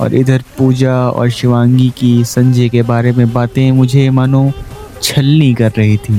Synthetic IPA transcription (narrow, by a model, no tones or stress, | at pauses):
ɔ̰ːɾʔɪd̪ʱəɾpuːd͡ʒaɔ̰ːɾʃɪʋãːŋɡikisɐ̃ɲd͡ʒʱekebaːɾemẽbaːt̪ẽmʊd͡ʒʱemɐnõ | t͡ʃʰɐlnikɐɾːɐɦit̪ʰiː